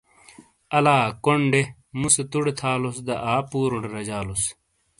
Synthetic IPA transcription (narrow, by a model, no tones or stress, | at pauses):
ɐlaːkoɳɖe | muset̪uɽet̪ʰaːlosd̪ɐʔaːpuːɾoɳɖɾɐd͡ʑaːlos